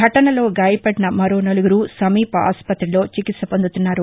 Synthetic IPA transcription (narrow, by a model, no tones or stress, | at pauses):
ɐʈɐnɐlo̞ːɡaːjɐpɐɽinɐmɐɾo̞ːnɐluɡuɾuːsɐmiːpɐa̰ːspɐt̪ɾilo̞ːt͡ʃikit̪sɐpond̪ut̪unːaːɾu